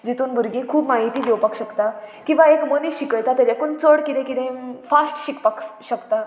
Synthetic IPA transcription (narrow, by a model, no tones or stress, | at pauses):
d͡ʑit̪uːnbʱuɾɡĩkʰuːpmaɦit̪iːɡewpəkɕəkt̪akĩw̃ʋaekməniɕikəjt̪at̪jad͡ʑakuɳt͡səɽkit̪ẽkit̪ẽfasʈɕikpəkɕəkt̪a